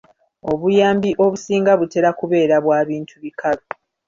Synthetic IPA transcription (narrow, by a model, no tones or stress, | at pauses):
o̞βujaːmbiʔo̞βusiːŋɡaβute̞ɾakuβe̞ːɾaβwaːβiːntʰuβikʰalo